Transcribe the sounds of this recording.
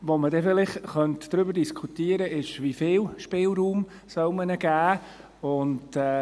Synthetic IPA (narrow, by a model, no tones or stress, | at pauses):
ʋomədɛfɪlɪχχœntd̥ɾʏbəɾdiskʰutiːəɾəʔɪʃʋifɪːlʃpɪːlɾuːm | sœlmənəɡ̥æː | ʊndɛ